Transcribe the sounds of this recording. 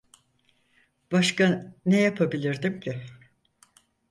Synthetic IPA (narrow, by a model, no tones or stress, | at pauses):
b̥aʃkanejapʰabilʲiɾd̪imcʰɪ